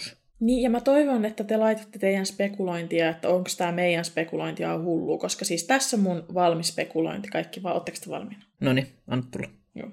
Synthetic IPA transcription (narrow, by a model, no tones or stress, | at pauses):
niːjjɑmæt̪oiʋonet̪ːæt̪elɑit̪ot̪ːet̪eijænspekuloint̪iɑet̪ːæoŋkst̪æːmeijænspekuloint̪iɑ̰hulːuːkoskɑsiːst̪æsːommunʋɑlmispekulo̰int̪i̥kɑikːiʋɑːot̪ːɑkst̪ɑʋɑ̰lminɑ̥noniɑ̰nːɑt̪t̪ṵlːɑ | jṵː